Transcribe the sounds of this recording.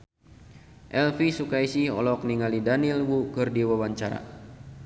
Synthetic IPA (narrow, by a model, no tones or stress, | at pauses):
ʔɛlfisukaisihɔ̰lɔk̚niŋalidanilwukɨrdiwawaɲt͡ʃaɾa̰